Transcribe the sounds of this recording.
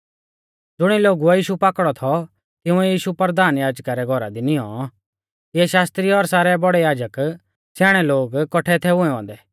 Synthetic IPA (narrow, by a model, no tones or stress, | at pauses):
d͡zʊɽ̃iloːɡuɛjiːʃupaːkɽɔt̪ʰɔ | t̪ɪʊ̃ɛjiːʃupəɾd̪aːnjaːd͡ʒkaɾɛɡʱɔɾa̰d̪inɪɔ̰̃ | kiɛʃaːst̪ɾiɔɾsaːɾɛbɔɽɛjaːd͡ʒək | saːɽ̃ɛloːɡkɔʈʰɛt̪ʰɛʊ̃ɛ̃ʋã̰ːnd̪ɛː